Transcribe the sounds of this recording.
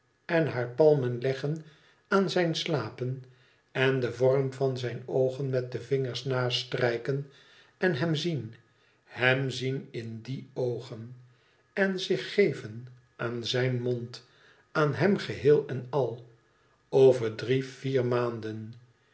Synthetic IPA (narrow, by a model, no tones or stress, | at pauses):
ɛnɦaːɹpɑlˠmənlɛχən | aːnzɛjnslaːpən | ɛndəvɔrmvɑnzɛjnowχənmɛt̚dəvɪŋəɹsnaːstrɛjkən | ɛnɦɛmzin | hɛmzinɪndiowχən | ɛnzɪχːejvən | ʔaːnzɛjnmont | aːnɦɛmχəɦɪːlˠɛnɑlˠ | ovəɹdriv̥iːrmaːndən